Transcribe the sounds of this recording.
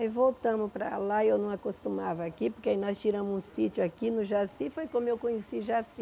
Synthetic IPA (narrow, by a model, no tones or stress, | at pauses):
vowt̪ɐ̃mʊpɾɐ̰laewnɐ̃w̃akost̪umavɐːkipʊɾkeainɔst͡ʃiɾɐ̃mʊzũsit͡ʃʊakinʊʒasĩfojkõmʊewkõɲesiʒasĩ